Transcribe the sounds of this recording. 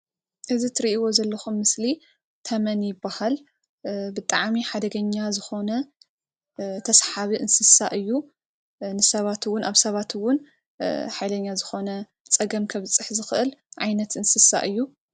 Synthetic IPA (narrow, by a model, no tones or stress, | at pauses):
ʔɨzit̪ʰɨɾiʔiwo̞zɐlːɐxumːɨsli | t̪ʰɐmɐnjɪbːahal | bɨt̪ʼaʕmiħad̪ɐɡɐɲːazɨxo̞nɐ | t̪ʰɐsħaβiʔɨnsɨsaʔɨjːu | nɨsɐβat̪wʊnʔaβsɐβat̪ʰɨwʊn | ħajlɐɲːazɨxo̞nɐ | t͡sʼɐɡɐmkʰɐβɨt͡sʼɨħzɨxʔɨlʕajnɐt̪ɨnsɨsa̰ʔɨjːu